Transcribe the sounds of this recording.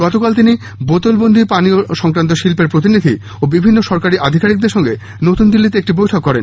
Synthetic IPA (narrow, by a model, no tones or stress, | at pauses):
ɡ̥ɔt̪okalt̪ini | bot̪olbond̪ʱipanioʃɔŋkɾant̪̬oʃilpeɾpɾot̪̬inid̪ʱi | obibʱinːoʃɔɾkaɾiʔad̪ʱikaɾik̚d̪eɾʃɔŋɡe | not̪und̪ilːit̪eek̚ʈibojʈʰokːɔɾḛn